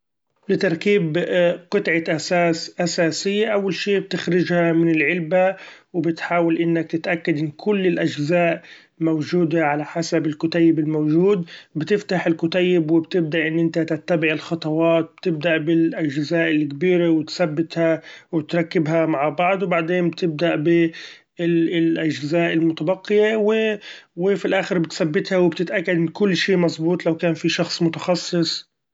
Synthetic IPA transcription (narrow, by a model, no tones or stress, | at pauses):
lɪt̪ɑɾˤkiːbqɨt̪ʕaʔasaːsʔasaːsɪjːaʔawːalʃeːb̚t̪ɪxɾɪʒhamɪnɪlʕɪlbawɪbɪt̪ħaːwalʔɪnːak̚t̪ɪt̪ʔakːad̪ʔɪnːkʰʊlːɪlʔaʒzaːʔ | mawʒuːd̪aʕalaħasabɪlkʊt̪ajːɪbɪlmowʒuːd̪bɪt̪ɪft̪aħɪlkʊt̪ajːɪbwɪbt̪ɪb̚d̪aʔɪnːʔɪnt̪at̪ɪt̪ːabɪʕɪlxɑt̪ˤɑwɑːt̪̚b̥̚t̪ɪb̚d̪aʔbɪlʔaʒzaːʔɪlkbiːɾewɪt̪sabːɪt̪hawɪt̪ɾˤɑkːɪbɦamaʕbɑʕd̪ˤwbaʕd̪eːnbt̪ɪb̚d̪aʔbɪ | ɪlʔaʒzaːʔɪlmʊt̪abɑqːɪjewɪ | wɪfilʔaːxɪɾbɪt̪sabːɪt̪hawɪb̚t̪ɪt̪ʔakːad̪kʊlːʃiːmɑsˤbuːt̪ˤlawkaːnfiʃɑxsˤmʊt̪ɑ̥xɑsˤːɨsˤ